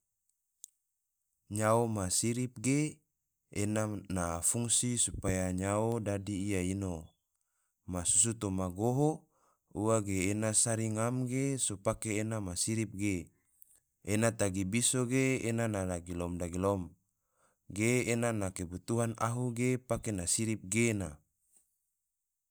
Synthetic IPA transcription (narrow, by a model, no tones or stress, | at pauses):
ɲaomasiɾip̚ɡe | enanafuŋsisupajaɲaodadiːjaino | masus̬ut̪omaɡoɦo | uaɡeːnasaɾiŋamɡesopakeːnamasiɾip̚ɡe | enat̪aɡibisoɡeenanadaɡilɔmdaɡilɔm | ɡeːnanakebut̪uɦana̰ɦuɡepakenasiɾip̚ɡena